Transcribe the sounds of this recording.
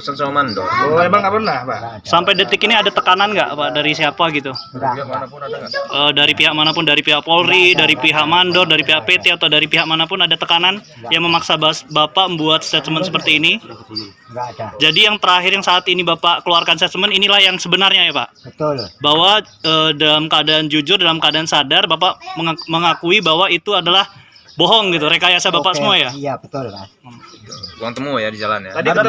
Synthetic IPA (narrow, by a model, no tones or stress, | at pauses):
sansamandɔebaŋapərnahpasampajdət̪ɪkiniadat̪əkananɡa̰ʔpaʔdaɾisiapaɡit̪uaanapʊʔəːdaɾipiɦak̚manapʊndaɾipiɦaʔpolɾidaɾipiɦaʔmandɔrdaɾipiɦaʔpet̪eat̪awdaɾipiɦak̚manapʊnadat̪əkanan | jaŋməmaksabasbapaʔməmbuat̪̚sə̥sat̪səmənsəpərt̪iːni | d͡ʒadijaŋt̪əɾaɦɪɾjaŋsaːt̪inibapaʔkəluarkansat̪səməninilahjaŋsəbənarɲajapa̰ʔbawa | əːdalamkadand͡ʒud͡ʒʊrdalamkadansadarbapaʔməŋməŋakuibaɦwait̪uadalah | bɔɦɔŋɡit̪uɾekajasabapaʔsəmuaja | boɔŋt̪əmujadid͡ʒalanjadi